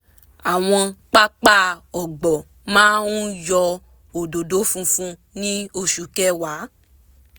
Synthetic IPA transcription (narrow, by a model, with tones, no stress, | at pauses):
a˨w̃ɔ̃˧k͡pa˦k͡pa˦˨ɔ˨ɡ͡bɔ˨ | mãː˦ũ˦jɔ˧ | o˨do˨do˨˦fũ˧fũ˧ | nĩ˦o˦˧ʃu˨kɛ˦wa˨˦